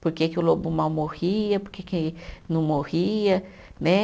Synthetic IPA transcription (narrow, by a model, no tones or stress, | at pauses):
poɾkekɪʊlobʊmawmohiɐpoɾkekɪnɐ̃w̃mohiɐ | nɛ